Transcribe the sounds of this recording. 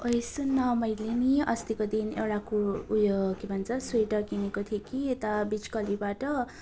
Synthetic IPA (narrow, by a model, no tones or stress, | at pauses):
ojsunːʌmʌjliniʌ̰st̪ikod̪inḛwɽakuujokibʱʌnt͡sʰʌsejʈʌɡinekot̪ʰijekiet̪abit͡skʌlibaʈʌ